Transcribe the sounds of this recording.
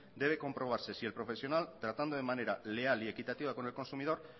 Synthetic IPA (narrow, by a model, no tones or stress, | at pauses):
d̪e̞β̞e̞ko̞mpɾo̞β̞aɾse̞sie̞lpɾo̞fe̞sjo̞nalt̪ɾat̪and̪o̞ðe̞mane̞ɾale̞alie̞kit̪at̪iβako̞ne̞lko̞nsumið̞o̞ɾ